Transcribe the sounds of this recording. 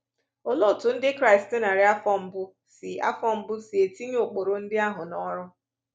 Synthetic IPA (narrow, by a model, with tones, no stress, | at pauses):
o˨lo˦˨tʊ˨n̩˦dɪ˦kɾa˦ɪ˨sttɪ˦na˨ɾɪ˦a˦fɔ˦m̩˦bʊ˦ | sɪ˨a̰˦fɔ˦m̩˦bʊ˦si˨e˨ti˦ɲ˦o˨k͡po˨ɾo˨n̩˦dɪ˦a˦ɦʊ˨nɔ˦ɾʊ˦